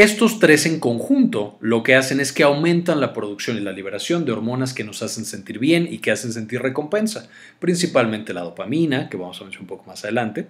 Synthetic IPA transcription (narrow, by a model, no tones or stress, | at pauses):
e̞st̪o̞st̪ɾe̞se̞ŋko̞ŋxunt̪o̞lo̞ke̞ase̞ne̞skeawmẽ̞nt̪anlapɾo̞ðuksjo̞nilaliβ̞e̞ɾasjo̞nd̪e̞oɾmõ̞nas̬ke̞no̞sase̞nse̞nt̪iɾβje̞nike̞ase̞ns̬e̞nt̪irre̞ko̞mpe̞nsa | pɾinsipalmẽ̞nt̪e̞la̰ð̞o̞pamĩnake̞βamo̞saβenseɾumpoko̞masaðe̞lant̪e̞